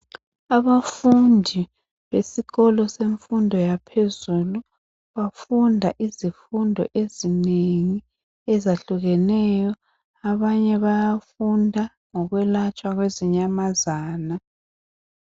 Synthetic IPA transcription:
aβafundʱi | βesiɣɔlɔseɱfundʱɔjapʰezulu | βafundʱaʔizifundʱɔ̰ʔezineŋi | ɛzaɬuɣɛnɛjɔ | aβaɲɛβajafundʱa | ŋɔɣwɛlat͡ʃʼwaɣweziɲamazaːna

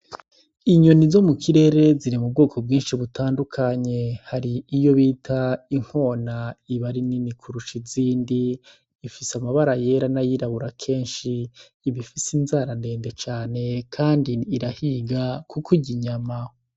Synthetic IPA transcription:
iɲo̞nizo̞mukʰiɾe̞ːɾe̞ziɾimub̚ɡo̞ːkʰo̞b̚ɡiːnʃiβutʰaːndukʰaɲe̞haɾiːjo̞βiːtʰaiŋ̥ho̞ːnaiβaɾininikʰuɾuʃiziːndiː | fisamaβaɾaje̞ɾanajiɾaβuɾakʰe̞ːnʃiː | βifisinzaːɾande̞ːndet͡ʃaːne̞kʰaːndiːɾahiɡakukʰuɟiɲama

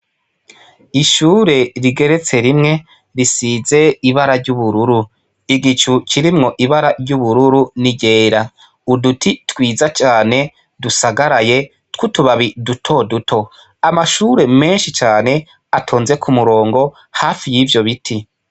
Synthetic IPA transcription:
iʃuːɾe̞ɾiɡe̞ɾe̞t͡se̞ɾimŋe̞ | ɾisize̞iβaɾaɾɟuβuɾuɾu | iɡit͡ʃut͡ʃiɾimŋo̞ʔiβaɾaɾɟuβuɾuɾuniɟe̞ːɾa | udutʰitwiːzat͡ʃaːne̞ | dusaɡaɾaje̞ | tkutuβaβidutʰo̞dutʰo̞ | amaʃuːɾe̞me̞nʃit͡ʃaːne̞ | atʰoːnze̞kʰumuɾo̞ːŋɡo̞ | haːfijivjo̞βitʰi

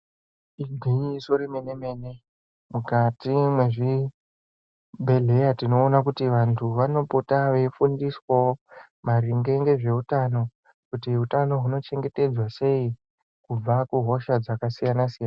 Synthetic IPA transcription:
iɡʱiɲisoɾime̞neme̞ːne̞ | mukatimwe̞ʐi | bʱe̞ɮe̞jatino̞ːnakutiʋantʰuʋano̞potaʋeifundiswo | maɾiŋɡe̞ŋɡe̞ʐe̞utano̞ | kutiɦutano̞ɦuno̞t͡ʃe̞ŋɡe̞te̞d͡zwase̞i | kub͡vakuɦo̞ʃad͡zakasijanasijana

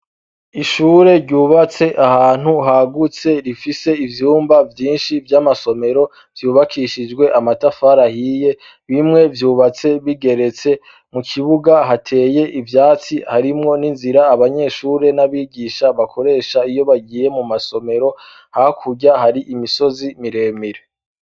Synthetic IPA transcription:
iʃuːɾe̞ɾɟuːβat͡se̞ʔahaːn̥huɦaɡut͡se̞ɾifise̞ivjuːmbavjiːnʃivjamaso̞me̞ɾo̞ | v̥juːβakʰiʃid͡ʒɡwe̞ʔamatafaɾahiːje̞ | βimŋe̞vjuːβat͡se̞βiɡe̞ɾe̞t͡se̞ | mukʰiβuɡaɦatʰe̞ːje̞ʔivjaːt͡sihaɾimŋo̞ninziɾaːβaɲe̞ʃuːɾe̞naβiːɡiːʃaβakʰo̞ɾe̞ːʃaijo̞βaɡiːje̞mumaso̞me̞ɾo̞ | haakʰuɟaɦaɾiʔimiso̞zimiɾe̞ːmiɾe

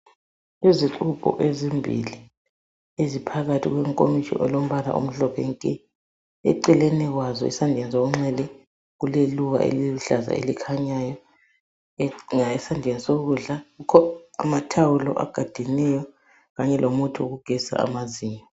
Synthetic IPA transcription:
iziǁupʼɔ̰ʔezimbʱḭli | ezipʰaɣatʰiɣwɛŋkʼomiʃɔ̰ʔɔlom̩βala̰ʔṵm̩ɬɔpʰɛŋkʼɛ | ɛ̰ǀɛlɛnɛɣwazɔ̰ḭsandʱɛnisoɣuŋ͡ǁɛlɛ | ɣuleluɣa̰ʔḛliβuɬaza̰ḛlikʰaɲajɔ | ŋaɛsandʱenisoɣuɮaɣukʰɔamatʰawulɔ̰ʔa̰ɡ̥ʱad̥ʱinɛjɔ | ɣaɲɛlʔomutʰuoɣuɡ̥ʱɛsa̰a̰maziːɲɔ

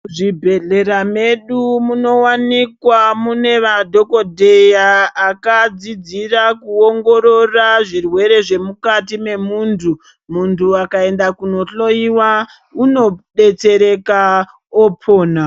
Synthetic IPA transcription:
ʐibʱe̞ɮe̞ɾame̞ɗumuno̞wanikwamune̞ʋadʱo̞ko̞dʱe̞jaːkad͡zid͡zirakuoŋɡo̞ɾo̞raʐirwe̞ɾe̞ʐe̞mukatime̞muːntʰu | muntʰuakae̞ndakuno̞ɬo̞iwa | uno̞ɗe̞t͡se̞ɾe̞ka | opʰoːna

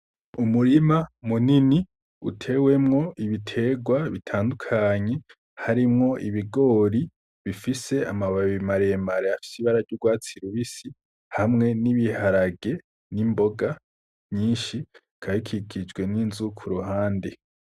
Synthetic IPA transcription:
umuɾimamunini | ṵtʰe̞we̞mŋo̞ʔiβitʰe̞ɡwaβitʰaːndukʰaɲe̞ | haɾimŋo̞ʔiβiɡo̞ːɾi | βifise̞amaβaβimaɾemaɾeafi̥siβaɾavɟuɡwaːt͡siɾuβisi | hamŋe̞niβihaɾaɡe̞ | nimbo̞ɡa | ɲiːnʃi | kʰaikʰikʰid͡ʒɡwe̞ninzukʰuɾuɦaːnde̞

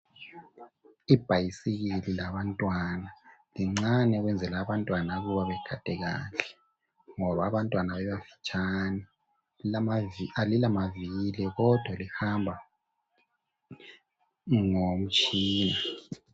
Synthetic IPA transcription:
ib̥ʱajisiɣililaβantʼwanaliŋ͡ǀanɛɣwɛnd͡zʱɛlaːβantʼwanaɣuβaβɛɡ̥ʰʱad̥ʱɛɣa̰ːɬɛ̥ | ŋɔβaːβantʼwanaβɛβafi̥t͡ʃʼani | alilamavilɛɣɔd̥ʱwalihambʱa | ŋom̩t͡ʃʼiːna

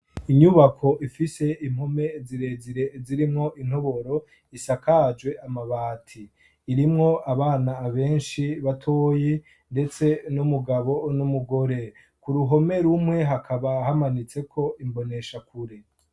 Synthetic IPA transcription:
iɲuβakʰo̞ʔifise̞ʔim̥ho̞me̞ziɾe̞ziɾe̞ziɾimŋo̞ʔin̥o̞βo̞ɾo̞ | isakad͡ʒwe̞ʔamaβaːtʰiː | ɾimŋo̞ʔaβaːnaːβe̞ːnʃiβatʰo̞ːje | nde̞t͡se̞numuɡaβo̞numuɡo̞ɾe̞ | kuɾuɦo̞me̞ɾumŋe̞ɦakʰaβahamanit͡se̞kʰo̞imbo̞ne̞ʃakuɾe

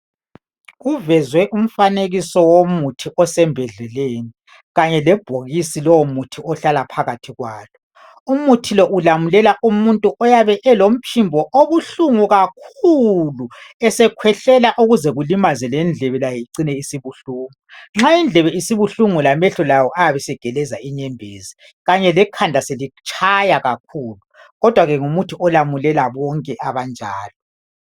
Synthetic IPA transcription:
ɣuvɛzwɛʔum̩faneɣisɔwomutʰiʔɔsɛmbʱɛɮɛleːni | ɣaɲɛlɛb̥ʱoɣisilɔwomutʰiɔɬalapʰaɣatʰiɣwaːlɔ | umutʰilɔʔulamulɛlaʔumuntʼuʔɔjaβɛʔɛlom̩pʰimbʱɔʔoβuɬuŋuɣak̚ʰuluɛsɛkʰwɛɬɛlaʔuɣuzɛɣulimazɛlɛnd͡ɮʱɛβɛlajiǀinɛisiβuɬuːŋuŋ͡ǁaind͡ɮʱɛβɛisiβuɬuŋulamɛɬɔlawɔʔajaβɛsɛɡ̥ʱɛlɛzaiɲɛmbʱeːzi | ɣaɲɛlɛkʰand͡ɮʱaselit͡ʃʼʰajaɣakʰuːlu | ɣɔd̥ʱwaɣɛŋumutʰiɔlamulɛlaβɔŋkʼɛʔaβand͡ʒʱa̰ːlɔ

